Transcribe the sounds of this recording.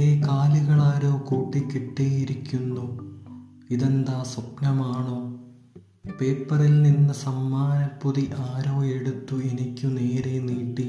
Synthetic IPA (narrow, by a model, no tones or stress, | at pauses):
ekaːluɣɐɭaːɾoːkuːʈːikːiʈːejiɾikʲːunːu | iðend̪aːsop̚nɐmaːɳo̞ː | pe̞ːpːɐrilninːɨsɐmːaːnɐpːuðiʔaːɾoːe̞ɽut̪ːue̞nikʲːuneːɾeniːʈːi